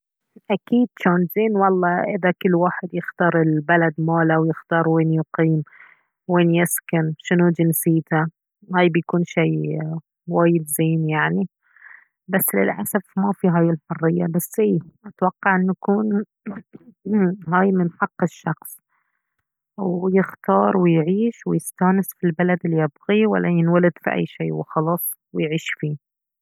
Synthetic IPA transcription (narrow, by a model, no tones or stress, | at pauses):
ʔakiːd̪ʃoːnzeːnwɑlˤːɑʔɪðakɪlːwaːħɪd̪jɪxt̪ɑːɾˤɪlbalad̪maːlawjɪxt̪ɑːɾˤweːnjʊqiːm | weːnjɪskanʃɪnud͡ʒɪnsiːt̪a | haːjbjakuːnʃiː | waːjɪd̪zeːnjaʕni | basːlɪ̰lʔa̰safmafiɦaːjɪlħʊrˤːɪjːabasːhiːʔat̪wɑqːɑʕʔɪnːakuːn | ɦaːjmɪnħɑqːɪʃːɑxsˤ | wjɪxt̪ɑːɾˤwɪjʕiːʃwɪjɪst̪aːnɪsfilbalad̪ɪlːijɪbɣiwa̰lːajɪnwalɪd̪fḭʔa̰jːʃiːwɪxɑlɑːsˤ | wɪjʕiːʃfiː